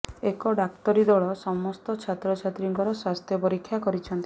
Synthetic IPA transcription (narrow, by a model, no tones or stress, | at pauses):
ekɔɖakt̪ɔɾid̪ɔɭɔsɔmɔst̪ɔt͡ʃʰat̪ɾɔt͡ʃʰat̪ɾiŋkɔɾɔswast̪ʰjɔpɔɾikʰːjakɔɾit͡ʃʰɔnt̪i